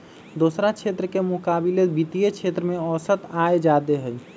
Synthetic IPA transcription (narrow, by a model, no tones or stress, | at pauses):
d̪oːsɾat͡ʃʰet̪ɾəkemʊkaːbilebit̪ijet͡ʃʰet̪ɾəmẽɔːsət̪aed͡ʒad̪eɦəl